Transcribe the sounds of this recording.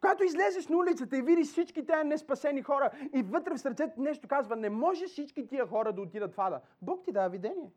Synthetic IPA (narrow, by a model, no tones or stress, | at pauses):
koɡat̪oizlʲɛzɛʃnɐulit̪sət̪əivid̪isit͡ʃkit̪ɛənɛspɐsɛnixɔɾəivɤt̪ɾɛfsəɾt̪sɛt̪nɛʃt̪okazvɐnɛmɔʒɛsit͡ʃkit̪ijəxɔɾəd̪ɐot̪id̪ət̪fad̪ə̰ | bɔkt̪id̪avid̪ɛniɛ